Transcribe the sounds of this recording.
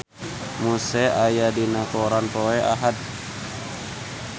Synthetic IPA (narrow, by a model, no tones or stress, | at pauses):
musɛajadinakɔɾanpoɛʔa̰ɦat̪̚